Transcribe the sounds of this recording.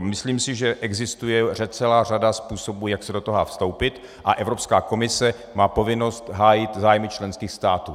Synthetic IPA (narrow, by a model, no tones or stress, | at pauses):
mɪsliːmsɪʒɛʔɛɡzɪst̪ujɛr̝ɛt̪t͡sɛlaːr̝adaspuːsobujaksɛdot̪oɦafst̪o̞wpɪt̪ | ʔa̰ʔɛvɾo̞pskaːko̞mɪsɛ | maːpo̞vɪno̞st̪ɦaːjɪt̪zaːjmɪt͡ʃlɛnskiːxst̪aːt̪uː